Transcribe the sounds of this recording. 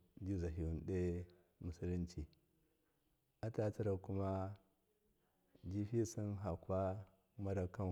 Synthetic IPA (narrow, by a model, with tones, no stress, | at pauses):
d͡ʒi˦za˨ɦi˨u˨n˨de˦ | mu˨si˦li˦nt͡ʃi˨ | a˦ta˦t͡si˦ɾa˨ku˦ma˦ | d͡ʒi˦fi˦si˦nɦa˨kwa˦ | ma˦ɾa˨ka˦n